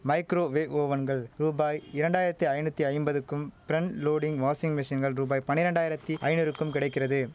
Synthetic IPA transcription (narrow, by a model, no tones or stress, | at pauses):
mɐɪkɾoːʋeːʔoːʋɐnɡɐɭɾuːbaːjɪɾɐɳɖaːjɪɾɐt̪ːiɐɪnɯt̪ːiɐɪmbɐðɯkːɯmpɪɾɛɳloːɽɪŋɡʋaːsɪŋɡmɪʂɪnɡɐɭɾuːbaːjpɐnːɪɾɐɳɖaːjɪɾɐt̪ːiʔɐɪnɯɾɯkːɯmkɪɽɐɪkːɪrɐðɯ